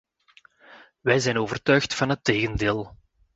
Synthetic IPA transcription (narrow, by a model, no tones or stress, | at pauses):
ʋɛjzɛjnoːvərtœɥxtfɑnɦəteːɣəndeːlˠ